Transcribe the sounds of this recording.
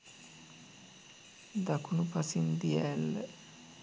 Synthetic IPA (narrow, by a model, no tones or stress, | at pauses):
d̪akunupasind̪iɛlː